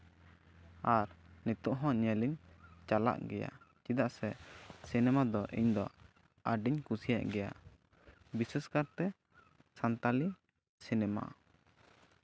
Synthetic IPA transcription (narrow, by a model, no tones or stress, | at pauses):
aɾnit̪uʔɦɔ̃ɲɛliɲt͡ʃala̰ʔɡɛja̰t͡ʃid̪aʔsɛsinɛmad̪ɔʔiɲd̪ɔ̰ | aɖiɲkusija̰ʔɡɛja̰ | bisɛskaɾt̪ɛ | sant̪ali | sinɛma̰